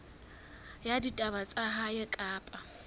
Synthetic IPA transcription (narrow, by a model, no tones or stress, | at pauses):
jaditʼabat͡sʼaɦajɪkʼaːpʼa